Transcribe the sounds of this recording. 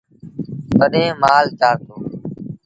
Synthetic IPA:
t̪əɗẽːmaːlt͡ʃaːɾnd̪oː

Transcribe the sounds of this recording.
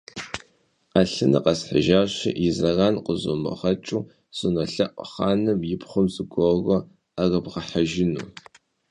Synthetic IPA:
aɬɨnɨ̰qɐsħəʒaːɕɪ̰jɪzɐraːnqʷʼʊzʊmɐ̰ʁɐt͡ʃʼuː | sʼɨnɐɬɐʔʷʼχaːnɨmjɪpχʷʊmzɨɡʷʼɔɣɐ | arɐbʁɐħaʒɪnṵː

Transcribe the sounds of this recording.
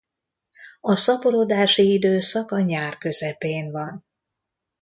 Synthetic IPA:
ɒsɒpolo̞d̪aːʃiid̪øːsɒkɒɲaːrkø̞zɛpeːnvɒn

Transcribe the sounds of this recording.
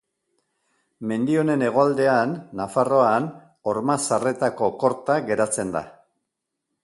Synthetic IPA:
me̞nd̪io̞ne̞ne̞ɣ̞o̞ald̪e̞anːafaro̞an | o̞ɾmasare̞t̪ako̞ko̞ɾt̪aɣe̞ɾat͡se̞nd̪a̰

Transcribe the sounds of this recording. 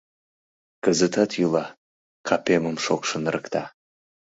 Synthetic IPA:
kəzət̪ɑt̪julɑ | kʰɑpeməmʃokʃə̆nɾəkt̪ɑ

